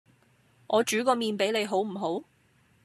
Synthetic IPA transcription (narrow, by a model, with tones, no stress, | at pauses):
ʔɔː˨˧t͡ʃyː˨˥kɔː˧miː˨˧npe˨˥le˨˧jɦo˨˥wm̩˨˩ɦo˨˥w